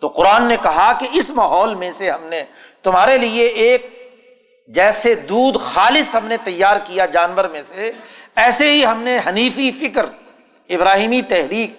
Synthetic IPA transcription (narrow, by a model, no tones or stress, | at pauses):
t̪oːqʊɾaːnːekɐɦakeɪsmaːɦɔːlmẽseɦɐmne | t̪ʊmɦaːɾelieːk̚ | d͡ʒɛːsed̪uːd̪xaːlɪsɦɐmnet̪ɐjːaːɾkijad͡ʒaːnʋəɾmẽseɛːseɦiɦɐmneɦɐniːfifɪkɾ | ɪbɾaːɦiːmit̪ɛɦɾiːk̚